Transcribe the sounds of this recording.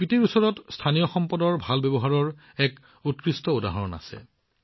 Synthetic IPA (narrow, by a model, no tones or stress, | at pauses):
pitiɹusɔɹɔtstʰanijɔxɔmpɔdɔɹbʱalbebɔɦaɹɔɹ | ɛk | ut̚kɹistɔoda̰ɦɔɹɔna̰sɛ̰